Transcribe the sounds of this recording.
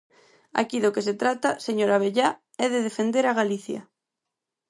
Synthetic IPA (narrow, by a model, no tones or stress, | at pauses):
a̰kiðokes̬et̪ɾat̪aseɲoɾaβ̞eʎa | ɛðeðefend̪eɾaɣ̞aliθja̰